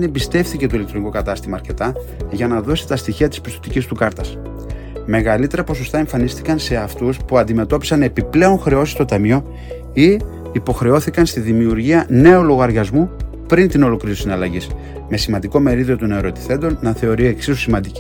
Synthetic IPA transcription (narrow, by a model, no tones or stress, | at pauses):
nebist̪e̞fθice̞t̪oilekt̪ɾo̞nikokɐt̪ɐst̪imɐːɾce̞t̪ɐ | ʝɐnɐðo̞si̥t̪ɐst̪içiɐt̪i̥spi̥st̪o̞t̪icist̪ukɐɾt̪ɐs | me̞ɣɐlit̪e̞ɾɐpo̞so̞st̪ɐeɱfɐnist̪ikɐnse̞ɐft̪uspuɐnd̪ime̞t̪o̞pi̥sɐne̞piple̞o̞nxɾe̞o̞si̥st̪ot̪ɐmio̞ | i | ipo̞xɾe̞o̞θikɐnst̪iðimiuɾʝiɐne̞oloɣɐɾʝɐzmu | pɾint̪ino̞lo̞klɾiusinɐlɐʝis | me̞simɐnd̪iko̞me̞ɾiðiot̪oneɾo̞t̪i̥θe̞nd̪o̞nːɐθe̞o̞ɾie̞ksisusimɐnd̪i